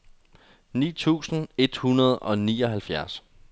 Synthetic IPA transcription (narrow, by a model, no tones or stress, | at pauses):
nḭːt͡sʰṵːsn̩e̝d̥hunɐð̞̩ˠɒ̽nḭːɒ̽ɦælfjæɐs